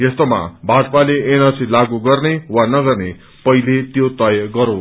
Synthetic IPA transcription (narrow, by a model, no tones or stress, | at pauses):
jest̪oma̰bʱat̪̚paleenʌsilaɡuɡʌrnewanʌɡʌrne | pʌilet̪jot̪ʌjʌɡʌɾo